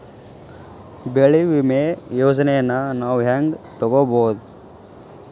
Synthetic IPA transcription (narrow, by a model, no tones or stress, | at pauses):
beɭiʋimejoːd͡ʒɐnɛjɐnːɐnaːʋɦaːŋɡt̪ɔɡoboːd̪